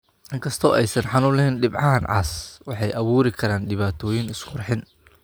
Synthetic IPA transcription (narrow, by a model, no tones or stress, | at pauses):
ʔɪŋkʰɐst̪ʰɔːʔɛjsɐnħɑnʊlɛɦɛnɖɪbʕɑɦɐnʕɑ̰ːswɑħɑjʔɐβuːɾɪkʰɐɾaːnɖɪβaːt̪ʰɔːjɪnɪskʰʊrħɪn